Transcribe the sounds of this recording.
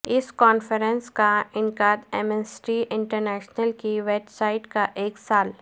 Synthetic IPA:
ɪskɔːnfəɾə̃nskaɪnkaːd̪ɛmɛsʈiʔɪ̃ɳʈəɾnɛːʃnəlkiʋeːbsaːɪʈkaʔeːksaːl

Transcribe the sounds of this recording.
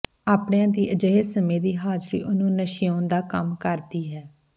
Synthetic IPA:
aːpɳeãːd̪iːʔəd͡ʒəɦeːsəmẽːd̪iːɦaːd͡ʒɾḭːʔʊnũːnəʃiːõːnd̪aːkəmkəɾd̪iːɦɛː

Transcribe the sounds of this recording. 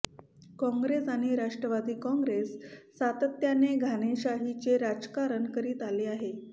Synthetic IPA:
kɔ̃ŋɡɾesaɽ̃iɾaʂʈɾəʋad̪iːkɔ̃ŋɡɾesː | at̪ət̪janeɡʱañeɕaɦit͡ɕeɾad͡ʑkaɾənkəɾiːt̪aleaɦe

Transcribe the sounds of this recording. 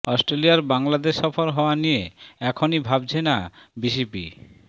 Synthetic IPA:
ɔsʈɾelijaɾbaŋlad̪eʃɔfoɾɦɔoanijeɛkʰonibʱabt͡ɕʰenabisipḭ

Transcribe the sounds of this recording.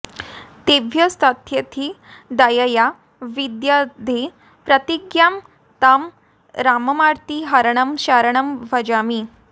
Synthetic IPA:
t̪eʋʱjəst̪ʰat̪ʰjət̪ʰiːd̪əjəja | ʋid̪jad̪ʱe | pɾət̪iɡjam | t̪am | ɾaməmaɾt̪iɦəɾɳəmɕaɾɳəmʋəd͡ʑamiː

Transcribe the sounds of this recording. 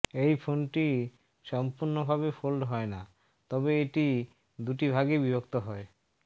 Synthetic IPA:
ejfʰonʈi | ʃɔmpuɾnobʱaβefʰolɖɦɔena | t̪ɔbeeʈi | d̪uʈ̬ibʱaɡebibʱokt̪oɦɔe

